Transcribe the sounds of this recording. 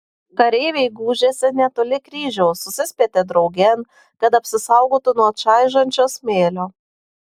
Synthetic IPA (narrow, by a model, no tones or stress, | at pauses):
kɐɾʲeːʋʲeɪɡuːʒʲeːsʲɛnʲɛt̪oːlʲɪkɾʲiːʒʲɛʊsʊsʲɪsʲpʲeːt̪ʲɛd̪ɾɒʊɡʲɛn | kɐt̪ɐpʲsʲɪsɐˑʊɡoːt̪ʊnuɔt͡ʃɑˑɪʒɐnʲt͡ʃʲoːsmʲeːlʲoː